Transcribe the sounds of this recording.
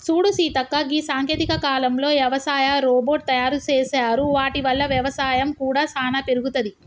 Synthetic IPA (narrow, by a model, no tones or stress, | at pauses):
suːɽusiːt̪ɐkːɐɡisaːŋkjeːt̪ikɐkaːlɐmlo̞ːʋjɐʋɐsaːjɐɾoːboːʈ̚t̪ɐjaːɾut͡ʃeːsaːɾuʋaːʈiʋɐlːɐʋjɐʋɐsaːjɐmkuːɽaːsaːnɐpeɾuɡut̪ɐd̪i